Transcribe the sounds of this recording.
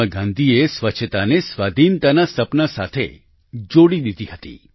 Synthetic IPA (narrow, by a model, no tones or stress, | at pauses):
əɡãnd̪ʱiesʋət͡ʃʰət̪anesʋad̪ʱint̪anasəpnəsa̰t̪ʰḛ | d͡ʒoɽid̪id̪iɦət̪ḭ